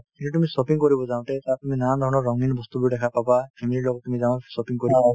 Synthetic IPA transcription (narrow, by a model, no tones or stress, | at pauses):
kintutumisɔpiŋkɔɾibɔzaw̃tɛtat̪uminand̪ʱɔɾɔnɔːɔŋinbɔst̪ubɔjdɛkʰapabapʰemililɔɡɔttːumizaw̃sɔpiŋkɔɾib